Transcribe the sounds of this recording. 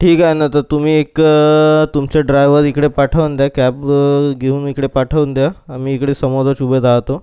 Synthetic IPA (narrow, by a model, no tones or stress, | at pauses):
ʈʰiːkaɦjnat̪ət̪um̤iːek | t̪umt͡ɕaɖɾajʋəɾikɽepaʈʰəʋnd̪jakæpɡʱeuːnikɽepaʈʰəʋnd̪jaːmiːkɽesəmod͡zət͡ɕubət̪aɦt̪o